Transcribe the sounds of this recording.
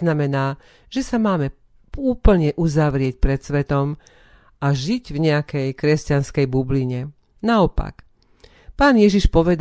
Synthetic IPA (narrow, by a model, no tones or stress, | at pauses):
namɛnaː | ʒ̥ɛsamaːmɛ | uːpl̩ɲɛʔuzaʋɾɪɛc̚pɾɛt̪sʋɛt̪ɔm | ʔaʒiɟvɲɛakɛjkɾɛscanskɛjbubliɲɛ | naɔpa̰k | paːnjɛʒiʃpɔʋɛd̪